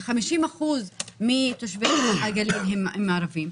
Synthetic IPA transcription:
χamiʃimaχuzmit̪oʃveluaɡalelɦememːaaɾavim

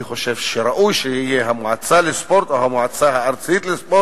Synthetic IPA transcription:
iχoʃevʃeɾaʔujʃehijeɦamoʕat͡salespoɾt̪oɦamoʕat͡saɦaːɾt͡sit̪lespo

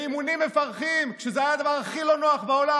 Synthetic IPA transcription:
imunimːefaʁχimkkʃezeajad̪avaʁaχilo̞no̞aχbao̞la

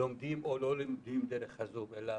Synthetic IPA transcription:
ɔmd̪imɔlɔlɛnd̪imd̪ɛɾɛχazubɛla

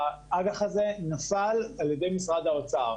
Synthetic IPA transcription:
aʔaɡaχaze̞nafalaljede̞jmisʁad̪aot͡saʁ

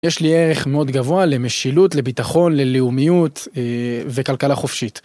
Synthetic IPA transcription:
jeʃlieʁe̞χmeo̞d̪ɡavoale̞meʃilutle̞bitaχo̞nle̞liumijuteve̞kalkalaχo̞fʃit

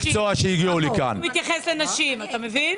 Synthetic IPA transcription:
kt͡soaʃeiɡiulikanmit̪jaχɛslenaʃimat̪amevin

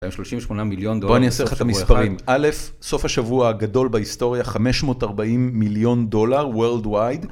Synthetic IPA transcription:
bajmʃloʃimveʃmonamiljond̪oboaniaseχat̪amispaʁimʔale̞f | so̞fhaʃavuaɡado̞lbahisto̞ʁjaχame̞ʃmo̞taʁbaʔimːiljo̞ndo̞laʁweʁldwajd

